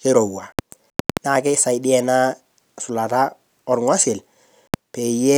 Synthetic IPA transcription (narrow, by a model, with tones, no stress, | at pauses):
ke˦ɾo˨wa˨ | na˦˨ke˦sa˨ɪ˨˦dɪ˦ɛ˨na˦ | sʊ˨la˨ta˦ | ɔ˨ɾŋa˦sɪ˨l | pe˨jɛ˦